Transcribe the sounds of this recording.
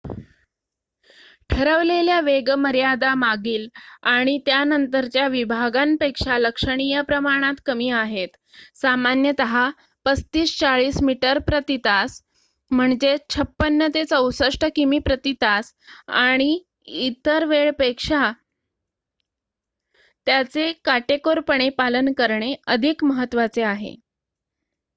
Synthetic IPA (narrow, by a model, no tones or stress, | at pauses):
ʈʰəɾəʋleljaʋeɡməɾjad̪amaɡiːlaɽ̃it̪janənt̪əɾt͡ɕjaʋibʱaɡanpekʂaləkʂəɽ̃ijəpɾəmaɽ̃at̪kəmiːaɦet̪ | samanjət̪əɦa | pət͡st̪iːst͡saɭiːsmiʈəɾpɾət̪it̪as | m̤əɳd͡ʑet͡ɕʰəpːənːət̪et͡səwsəʂʈəkimiːpɾət̪it̪as | a̰ɽ̃i | it̪əɾʋeɭpekʂa | t̪jat͡sekaʈekoɾpəɳ̃epalənkəɾɳeəd̪ʱikməɦət̪ːʋat͡seaɦḛ